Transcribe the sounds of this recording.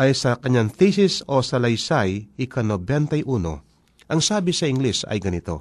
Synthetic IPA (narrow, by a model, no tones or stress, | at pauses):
ʔɐjsɐkɐɲaŋt̪isɪsosɐlɐjsajɪkʰɐnobɛnt̪ɐjʔuːno̰ | ʔɐŋsaːbɪsɐɪŋɡlɛsɐ̰jɡɐnɪt̪o̞̰